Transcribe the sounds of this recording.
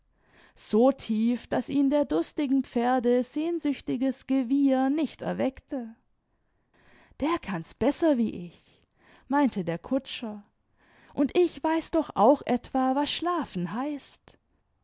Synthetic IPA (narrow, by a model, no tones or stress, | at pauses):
z̥oːtʰiːfd̥asʔiːndeːɐdʊstɪɡŋ̩pp͡feːɐdəz̥eːnzʏçtɪɡəsɡ̥əvɪːɐnɪçtɛ̰ɐvɛktʰə | d̥eːɐkʰansb̥ɛsɐviːʔɪç | maɪntʰədeːɐkʰʊt͡ʃɐ | ʔʊntʔɪçv̥aɪsd̥ɔxʔa̰ʊxʔɛtv̥aːvasʃlaːfn̩ɦaɪst